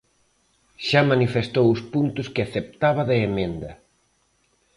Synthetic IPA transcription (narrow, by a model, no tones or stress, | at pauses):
ʃamanifest̪owʊspunt̪ʊskɪaθep̚t̪aβɐðeemẽnd̪ɐ